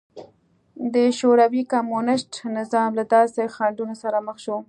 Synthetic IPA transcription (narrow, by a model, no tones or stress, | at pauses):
d̪əʃoɾawikamonɪʃʈnɪzɑmlad̪ɑsexaɳɖunosaɾaməxʃo